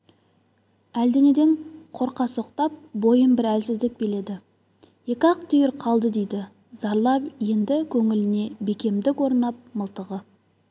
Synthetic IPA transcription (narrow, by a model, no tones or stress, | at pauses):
æld̪e̞ne̞d̪e̞ɴqʰo̞ɾqɑso̞qt̪ɑp̚bo̞jəmbɪɾælsɪzd̪ɪk̚be̞le̞d̪ɪ | je̞kʲɑq̚t̪ʰʏjɪɾqʰɑlˠd̪əd̪e̞jd̪ɪ | z̥ɑɾlˠɑpje̞nd̪ɪkʲʰɵŋɪlɪne̞be̞kʲe̞md̪ɪkwo̞ɾnɑp̚məlˠt̪əʁə